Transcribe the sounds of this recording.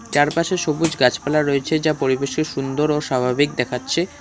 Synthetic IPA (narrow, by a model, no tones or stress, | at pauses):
t͡ɕaɾpaʃeʃobud͡ʑɡat͡ɕpalaɾːoet͡ɕʰed͡ʑapoɾibeʃeʃund̪oɾoʃabʱabik̚d̪ɛkʰatːɕʰe